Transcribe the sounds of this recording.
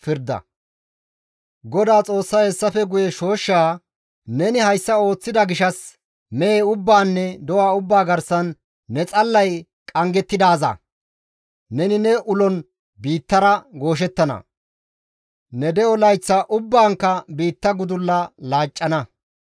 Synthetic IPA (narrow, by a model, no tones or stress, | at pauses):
fɪɾd̪ɐ̰ | ɡɔd̪aːt͡sʼo̞ːsːahɛsːɐfɛɡʊjɛʃo̞ːʃːaː | nɛnɪhɐjsːɐo̞ːt͡sːɪd̪ɐɡɪʃɐs | mɛeʊbːaːnːɛd̪ɔwaːʊbːaːɡɐɾsɐnː | ɛt͡sʼɐlːɐj | kʼɐŋɡɛt̪ːɪd̪aːzɐ̰ | nɛnɪnɛʔʊlɔn | biːt̪ːɐɾɐɡo̞ːʃ̬ɛt̪ːɐnɐ̰ | nɛd̪ɛɔlɐjt͡sːɐʔʊbːaːŋkːɐbiːt̪ːɐɡʊd̪ʊlːɐlaːt͡ʃʼːɐnɐ